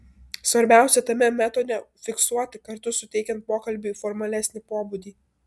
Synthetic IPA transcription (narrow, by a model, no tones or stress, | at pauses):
sʋɐɾʲbʲæˑʊsʲɛt̪ɐmʲɛmʲæt̪oːd̪ʲɛfʲɪksuɔt̪ʲɪkɐɾt̪ʊsʊt̪ʲɛɪkʲɛnt̪̚poːkɐlʲbʲuiːfɔɾmɐlʲæsʲnʲɪpoːbud̪ʲiː